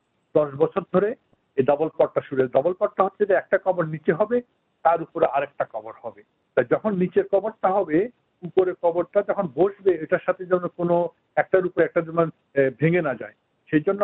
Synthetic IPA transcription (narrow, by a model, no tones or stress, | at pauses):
d̪̥ɔʃbɔt͡ɕʰoɾd̪ʱoɾe | ed̪ɔbolpɔɾʈaʃuɾed̪ɔbolpɔɾʈaɦotːʰed͡ʑaɛk̚ʈakɔboɾnit͡ɕeɦɔbe | t̪aɾupoɾeaɾɛk̚ʈakɔboɾhɔbe | t̪ajd͡ʑɔkʰonːit͡ɕeɾkɔboɾt̪aɦɔbe | upoɾekɔboɾʈad͡ʑɔkʰonboʃbeeʈaɾʃat̪ʰed͡ʑɔnːokono | ɛk̚ʈaɾupoɾɛk̚ʈad̪iman | bʱeŋenad͡ʑa̰e | ʃejd͡ʑonːo